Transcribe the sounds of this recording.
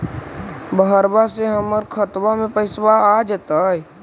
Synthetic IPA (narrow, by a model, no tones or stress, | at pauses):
bəɦəɾbaseɦəməɾkʰət̪bamẽpəɪsbaad͡ʒət̪aɛ